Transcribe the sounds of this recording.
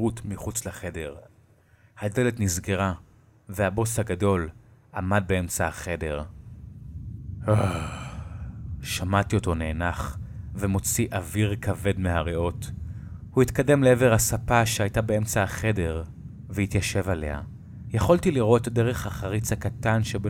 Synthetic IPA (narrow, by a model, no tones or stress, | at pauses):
utmiχut͡sleχe̞deʁ | hadeletnizɡeʁa | vehabo̞shaɡado̞lʔamad̚beemt͡saaχe̞de̞ʁ | ha | ʃamatio̞to̞neːnaχvemo̞t͡siʔaviʁkʰave̞dmeɦaʁeo̞thuitkade̞mleeveʁhasapaʃeajtabeemt͡saaχe̞de̞ʁ | vehitjaʃe̞vale̞̰ha̰ | jaχo̞ltiliʁo̞tdeʁeχhaχaʁit͡shakatanʃeb